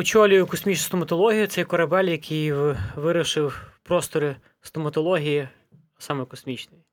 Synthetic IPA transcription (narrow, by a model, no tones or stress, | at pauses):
ʊt͡ʃɔlʲʊjʊkɔsʲmʲit͡ʃnʊst̪ɔmɐt̪ɔlˠɔɦʲijʊt̪sɛjkɔɾɐbɛlʲjɐkʰʲijʋɪɾʊʃɪwpɾɔst̪ɔɾɪ | st̪ɔmɐt̪ɔlˠɔɦʲiji | sɑmɛkɔsmʲit͡ʃnɪj